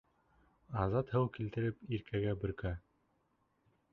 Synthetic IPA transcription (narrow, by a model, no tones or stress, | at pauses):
ɑzɑt̪hɘwkilt̪ɘ̆ɾɘpiɾkʰæɡæbɵ̆ɾkæ